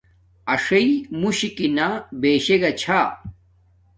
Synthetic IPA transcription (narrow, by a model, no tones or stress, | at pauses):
ɐʂɐimuɕikinabeːɕeɡɐt͡ɕʰa